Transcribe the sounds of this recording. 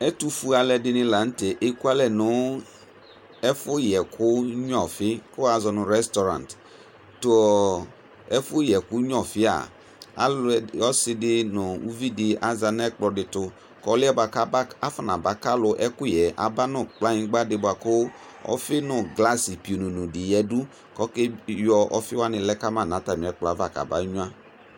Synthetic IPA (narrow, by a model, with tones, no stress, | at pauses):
ɛ˦tu˦fu˦a˨lɛ˨dɪ˧nɪ̃˦la˨n̩˦tɛ˨ʔe˦ku˦a˦lɛ˦nʊ˨˦ | ɛ˦fʊ˦jɛ˨kʰʊ˦ɲɔ˨fɪ˦kʊ˦a˨zɔ˨nʊ̃˨ɾɛ˦stɔ˨ɾã̰˨n˨t | tʊ˦ɔ˨ | ɛ˦fʊ˦jɛ˨kʊ˦ɲɔ˨fɪ˦a̰˨ | a̰˦lɔ˦sɪ˧dɪ˦nʊ˨u˦vi˦dɪ˦a˨za˨nɛ˦k͡plɔ˨dɪ˨tʊ˧ | kɔ˦lɪ˦ɛ˦ba˨ka˦ba˦a˦fa˨na˨ba˨ka˦lʊ˨ʔɛ˦kʊ˦˨jɛ˨ʔa̰˨ba˦nʊ˦k͡pla˦ĩ˦ɡ͡ba˦dɪ˦bʷa˨kʊ˦ | ɔ̰˦fɪ˦nʊ˨ɡla˦si˨pi˨o˨nu˨nu˨di˨jɛ˨du˦ | kɔ˦ke˦jɔ˨ʔɔ˦fɪ˦wa˦nɪ˨lɛ˦ka˦ma˦˨n˨a˨˦ta˨mi˨ɛ˨˦k͡plɔ˨a˨˦va˨ka̰˨ba˦ɲu˦a˦